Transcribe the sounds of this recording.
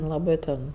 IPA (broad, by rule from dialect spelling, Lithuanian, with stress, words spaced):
lˠɐˈbɜ tʲɛn